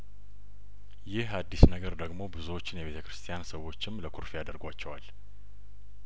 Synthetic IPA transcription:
jɪhad̪ːisnəɡəɾd̪əɡmo̞bɨzuwot͡ʃːɪnjɛβe̞t̪ʰəkʰɾɨst̪ʰijansəwo̞t͡ʃːɪmləkʰuɾfijad̪əɾɡʷat͡ʃːɛwal

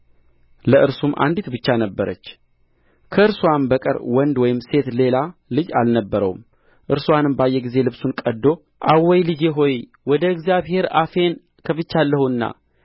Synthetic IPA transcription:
ləʔɨɾsumʔa̰nd̪it̪bɨt͡ʃːanəbːəɾə̰t͡ʃː | kʰəɨɾsuwanbəkʼə̰ɾwɔnd̪wɔjɪmse̞t̪le̞lalɨd͡ʒa̰lnəbːəɾə̰wum | ʔɨɾswanɨmbajːɛɡize̞lɨβsunkʼəd̪ːo̞ | ʔawɔjlɨd͡ʒeɦo̞j | wɔd̪əɨɡzjaβhe̞ɾafe̞n | kʰəfɨt͡ʃːalːəhuɨnːa̰

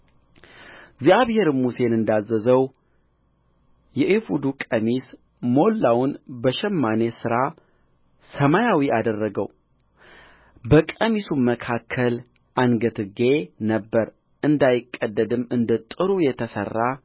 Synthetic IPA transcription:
ɡzijaβhe̞ɾɨmuse̞nɨnd̪azːəzəw | jɛʔifud̪ukʼəmis | mo̞lːawʊnbəʃɛmːane̞sɨɾa | səmajawiʔad̪ərːəɡəw | bəkʼəmisuməkʰakʰːəl | ʔanɡət̪ʰɨɡe̞nəbːəɾ | ʔɨnd̪ajɪkʼːəd̪ːəd̪ɨmːɨnd̪ət̪ʼɨɾujɛt̪ʰəsə̰rːa

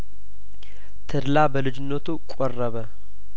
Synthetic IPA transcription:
t̪ʰɨɾlabəlɨd͡ʒɪnːət̪ʰukʼorːəβə

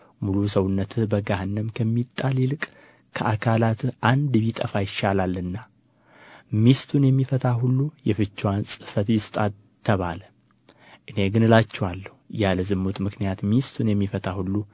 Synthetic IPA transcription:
mulusəwʊnːət̪ʰɨbəɡahnːəmkʰəmːit̪ʼːalilɨkʼ | kʰəʔakʰalat̪ʔand̪bit̪ʼəfajɪʃalalːɨnːa | mist̪ʰunjɛmːifət̪ʰʼahulːujɛfɨt͡ʃːwansʼɨfət̪jɪst̪ʼa | t̪ʰːəβalə | ʔɨne̞ɡɨnɨlat͡ʃːɛwalːəhujaləzɨmːot̪mɨknijat̪mist̪ʰunjɛmːifət̪ʰʼahulːu

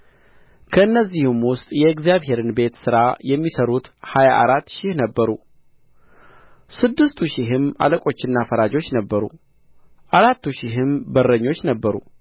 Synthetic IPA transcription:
kʰəɨnːəzːihɨmwʊst̪ʼjɛɨɡzjaβhe̞ɾɨnbe̞t̪sɨɾajɛmːisəɾut̪hajaʔa̰ɾat̪ːʃɪhnəbːəɾu | sɨd̪ːɨst̪ʰuʃɪɦɨma̰ləkʼo̞t͡ʃːɪnːafəɾad͡ʒo̞t͡ʃːnəbːəɾṵ | ʔaɾat̪ːuʃɪɦɨmbərːəɲːo̞t͡ʃːnəbːəɾṵ

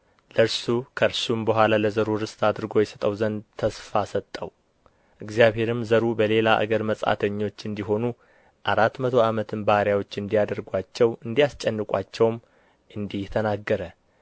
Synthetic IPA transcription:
ləɨɾsukʰəɾsumbəɦʷalaləzəɾuɾɨst̪ʰad̪ɨɾɡo̞jɛsət̪ʼəwzənd̪t̪ʰəsfasət̪ʼːəw | ʔɨɡzijaβhe̞ɾɨmzəɾubəle̞laʔa̰ɡəɾməsʼa̰t̪ʰəɲːo̞t͡ʃːɨnd̪iɦo̞nu | ʔaɾat̪mət̪ʰo̞amət̪ʰɨnbahaɾjawo̞t͡ʃːɨnd̪ijad̪əɾɡʷat͡ʃːɛwɨnd̪ijast͡ʃʼɛnːɨkʼa̰t͡ʃːɛwm | ʔɨnd̪iht̪ʰənaɡːəɾə

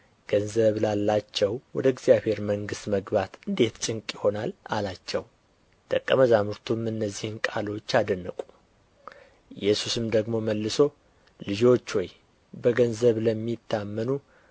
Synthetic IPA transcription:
ɡ̥ənzəβlalːat͡ʃːɛwwɔd̪əɪɡzijaβhe̞ɾməŋɡɨst̪məɡbat̪ɨnd̪e̞t̪t͡ʃʼɪŋkʼjɪho̞nala̰lat͡ʃːɛw | t̪ʰəkʼːəməzamɨɾt̪ʰumɨnːəzːihɨnkʼalo̞t͡ʃːad̪ənːəkʼu | jɛsusɨmd̪əɡmo̞məlːɨso̞ | lɨd͡ʒo̞t͡ʃːwɔj | bəɡənzəβləmːit̪ʰːamːənu

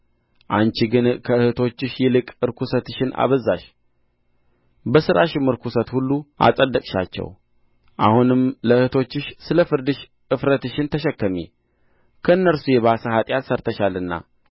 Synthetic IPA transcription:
ʔant͡ʃiɡɨnkʰəɨhɨt̪ʰo̞t͡ʃːɪʃjɛlɨkʼɨɾkʰusət̪ɨʃɪna̰βəzaʃ | bəsɨɾʔaʃɪmɨɾkusət̪hulːuʔa̰sʼəd̪ːəkʼʃa̰t͡ʃːɛ̰w | ʔa̰hunɨmləɨhɨt̪ʰo̞t͡ʃːɪʃsɨləfɨɾd̪ɨʃ | ɨfɾət̪ɨʃɪnt̪ʰəʃɛkːəmḛ | kʰəɨnːəɾsujɛβasəhat̪ʼjat̪səɾt̪ʰəʃalɨnːa̰

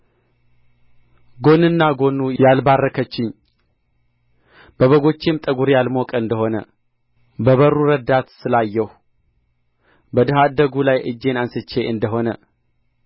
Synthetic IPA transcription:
ɡo̞nɨnːaɡo̞nujalbarːəkʰət͡ʃːɪɲ | b̥əβəɡo̞t͡ʃːemt̪ʼəɡuɾjalmokʼəɨnd̪əho̞nə̰ | bəβərːuɾəd̪at̪sɨlajːɛh | bəd̪ɨɦad̪əɡulajʔɨd͡ʒːe̞nansɨt͡ʃːe̞ʔɨnd̪əɦo̞nə

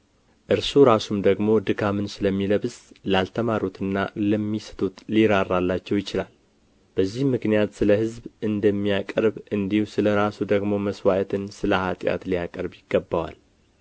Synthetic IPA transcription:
ʔɨɾsuɾasumd̪əɡmo̞d̪ɨkʰamɨnsɨləmːiləβslalt̪ʰəmaɾot̪ʰɨnːa̰ləmːisə̥t̪ʰut̪liɾarːalːat͡ʃːɛwjɪt͡ʃɪlal | b̥əzːihmɨknijat̪sɨləhɨzbɨnd̪əmːijakʼəɾbʔɨnd̪ihusɨləɾasud̪əɡmo̞məswajət̪ʰɨnsɨləhat̪ʼja̰t̪lijakʼəɾbjɪɡːəbːawa̰l

